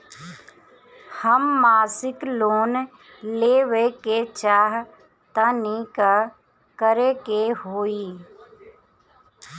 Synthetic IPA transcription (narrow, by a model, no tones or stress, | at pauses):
həmːaːsɪkloːn | leːʋeket͡ʃaːɦ | t̪anika | kəɾekeɦoːiː